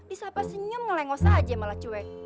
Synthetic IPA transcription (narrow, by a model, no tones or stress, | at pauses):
disapasəɲʊmŋəlɛŋɔsad͡ʒɛmalat͡ʃuwɛk